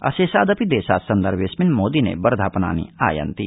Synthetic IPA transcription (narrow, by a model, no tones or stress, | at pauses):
ɐ̰seːsaːd̪ɐpid̪eːsa̰ːt̪sɐnd̪əɾʋesminmoːd̪inḛbɐɾd̪ʱaːpɐna̰ːnḭa̰ːjɐ̰nt̪i